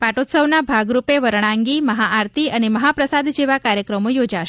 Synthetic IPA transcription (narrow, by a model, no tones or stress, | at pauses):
paʈot̪səʋnabʱaɡɾupeʋəɾɽ̃ãŋɡiməɦaʔaɾt̪ʰiəneməɦapɾəsad̪d͡ʒeʋakaɾjəkɾəmojod͡ʒaʃe